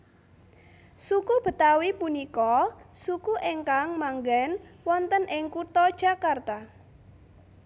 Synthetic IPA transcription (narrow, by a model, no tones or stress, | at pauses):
sukub̥ə̤t̪awipunikɔsukuʔeŋkaŋmaŋɡɛnwɔnt̪ənʔɪŋkut̪ɔd̥ʒ̥akart̪a